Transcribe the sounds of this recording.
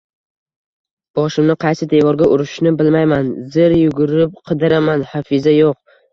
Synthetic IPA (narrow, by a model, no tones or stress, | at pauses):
b̥ɒʃɪmnɪqʰɑjsɪd̪evɒɾɡʲaʔʊɾɪʃnɪbɪlmajmanzɪɾjʊɡʊɾɪp̚qʰɨd̪ɪɾamanhafɪzajoq̚